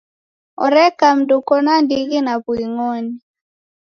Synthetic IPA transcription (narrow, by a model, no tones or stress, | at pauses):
ɔɾɛkamdukɔnandiɡinabwiŋoni